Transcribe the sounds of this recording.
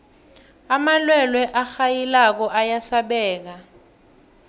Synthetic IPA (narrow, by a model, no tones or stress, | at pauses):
amalwɛlwɛʔaxajilak̬ɔʔajasaɓɛːk̬a